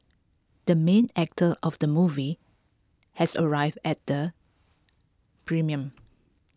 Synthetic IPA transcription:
d̥əmẽnɛk̚tʰəʔɔfdəmuvi | hɛsə̰ɹaɪvdɛt̚d̥ə | pʰɹĩmiə̃m

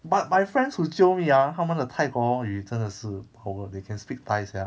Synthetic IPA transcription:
bat̚majfɹɛ̃nshut͡ʃimiaɦawmɛ̃nətʰaɪkɔjitə̃nəsɨpawədekʰɛ̃nspik̚tajsja

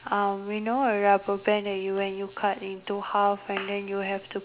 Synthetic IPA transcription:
ʔãmjunoəɹabəbɛ̃ndɛtjuwɛ̃njukʰatĩntuhafɛ̃ndɛ̃njuɦɛftu

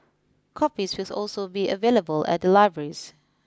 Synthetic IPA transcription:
kʰɔpiswɪsɔ̰lsobiʔəveləbəlɛ̰t̚dəlaɪvɹəɹis

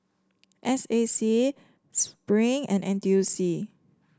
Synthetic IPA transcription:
ʔɛsesi | spɹĩŋɛ̰̃nʔɛ̃ntusi

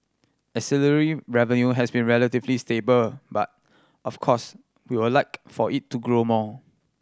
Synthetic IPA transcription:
ɛsiləɹiɹɛvə̃njuɦɛsbĩnɹɛlətivlistebəlba̰t̚ | ɔfkʰɔs | wiwəlaɪkfɔʔitːuɡɹomɔ

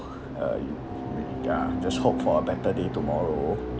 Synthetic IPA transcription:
ʌ̰j | ja̰d͡ʒashop̚fɔəbɛtədetumɔɹo

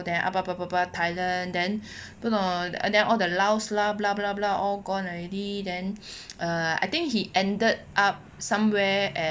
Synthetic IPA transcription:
dɛ̃nʔa̰papapapatʰaɪlə̃ndɛ̃n | ono̰dɛ̃nɔldəlawslablablablaɔlɡɔ̃nɔɹɛdidɛ̃nʔʌa̰jt̪ɪ̃ŋkhiʔɛ̃ndət̚ʔap̚sãmwɛʔɛ̃

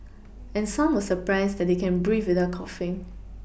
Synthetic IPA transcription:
ɛ̃nsãmwɔsəpɹaɪsdɛt̚dekɛ̃nbɹifwɪdəkʰɔfĩn

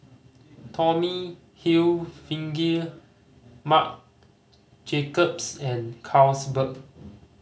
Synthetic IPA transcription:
tʰɔmi | hilfĩŋɡi | mak̚ | d͡ʒekəpsɛ̃nkʰawsbək̚

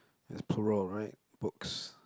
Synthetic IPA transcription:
ɪ̰spʰəɹɔlˠɹaɪʔ̚b̥ʊks

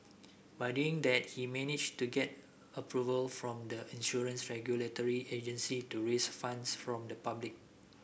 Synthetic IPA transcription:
bajduɪ̃ŋdɛt̚himɛnid͡ʒtuɡɛt̚ | əpʰɹuvəlfɹɔ̃mdəĩnʃuɹə̃nsɹɛɡjulətɔɹied͡ʒə̃nsituɹesfãndsfɹɔ̃mdəpablɪk̚

